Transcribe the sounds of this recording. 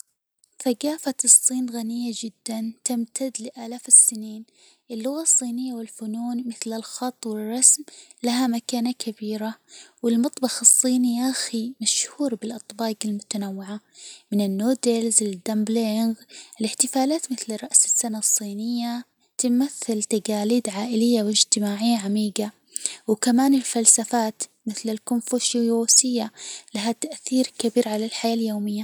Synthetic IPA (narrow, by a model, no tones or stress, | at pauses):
θaɡaːfaɨsˤːiːnɣanɪjːad͡ʒɪd̪ːant̪ɪmt̪ʰad̪lɪʔaːlaːfɪsːɪniːn | ʔɪlːʊɣasˤːiːnɪjːawɪlfʊnuːnmɪθlɪlxɑt̪ˤːwɪɪrˤːɑsmlaɦamakaːnakʰabiːɾawɪlmɑt̪ˤbɑxɨsˤːiːniʔaximaʃhuːɾbɪlʔɑt̪ˤbɑːɡɪlmʊt̪anawːɪʕa | mɪnɪnːoːd̪ɪlzɪld̪ːambleŋɡɪlɪħt̪ɪfaːlaːt̪mɪθlrˤːɑʔsɪ̥sːanasˤːiːnɪjːa | t̪ɪmaθːɪlt̪aɡaːliːd̪ʕaːʔɪlɪjːawɪd͡ʒt̪ɪmaːʕɪjːaʕamiːɡa | wkamaːnɪlfalsafaːt̪mɪθlɪlkʊnfuʃjoːsɪjːalaɦat̪aʔθiːɾkabiːɾʕalalħajaːljoːmɪjːa